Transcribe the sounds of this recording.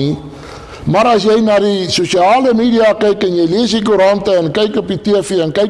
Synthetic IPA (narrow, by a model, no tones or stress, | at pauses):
i | mɑɾɐsjɛjnɑdisuʃiɑːləmiːdiɑkɛjkənjɛjliəs̬dikuɾɑntəənkɛjkɔpitiəfiənkɛ